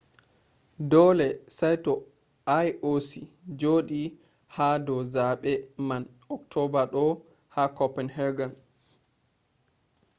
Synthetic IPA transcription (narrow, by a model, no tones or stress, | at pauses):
dɔlɛsajtɔ | ajʔosid͡ʒoːɗi | hadɔzaɓɛman | ɔktʰɔbaɗɔ | hakɔpɛnhɛɾɡan